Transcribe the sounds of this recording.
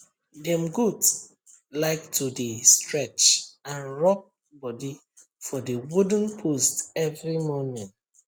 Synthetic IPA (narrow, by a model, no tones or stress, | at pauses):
dɛ̃mɡud | laɪktʰudestʰɹɛt͡ʃãnɹɔp̚ | bɔdi | fɔdewudn̩pʰostɛvɹimɔnɛ̃nt